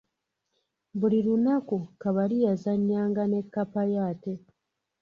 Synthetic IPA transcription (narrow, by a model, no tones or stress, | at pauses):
bulilunakukaβalijazaɲːaːŋɡane̞kːapajaːte̞